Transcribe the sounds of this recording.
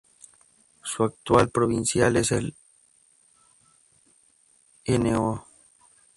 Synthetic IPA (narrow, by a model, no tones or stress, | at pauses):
suak̚t̪ualpɾoβinsjalesel | eneo